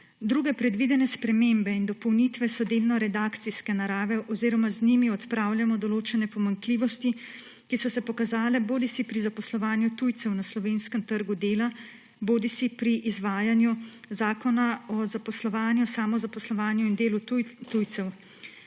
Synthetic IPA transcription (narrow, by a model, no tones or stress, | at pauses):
d̪ɾuːɡɛpɾɛd̪ʋid̪ɛnɛspɾɛmeːmbɛind̪ɔpɔwnit̪ʋɛsɔd̪eːlnɔɾɛd̪aːkt̪siskɛnaɾaːʋɛʔɔziːɾɔmaznimiɔt̪pɾaːwljamɔd̪ɔloːt͡ʃɛnɛpɔmaŋkliːʋɔst̪i | kisɔsɛpɔkazaːlɛboːd̪isipɾizapɔslɔʋaːnjut̪ujt̪sɛwnaslɔʋeːnskəmt̪əɾɡud̪eːla | boːd̪isipɾiʔizʋaːjanju | zaːkɔnaɔzapɔslɔʋaːnjusaːmɔzapɔslɔʋaːnjuind̪eːlut̪ujt̪sɛw